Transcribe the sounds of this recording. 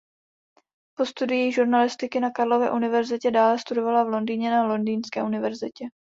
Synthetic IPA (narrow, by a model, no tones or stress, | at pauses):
po̞st̪udɪjiʒuɾnalɪst̪ɪkɪnakaɾlo̞vɛ̰ːʔunɪvɛɾzɪcɛdaːlɛst̪udo̞valavlo̞ndiːɲɛnalo̞ndiːnskɛ̰ːʔunɪvɛɾzɪ̰cɛ